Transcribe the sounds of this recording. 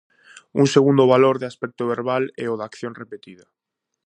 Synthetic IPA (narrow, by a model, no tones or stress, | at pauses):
uŋseɣund̪oβaloɾðeaspɛk̚t̪oβeɾβalɛoðakθjoŋrepet̪iða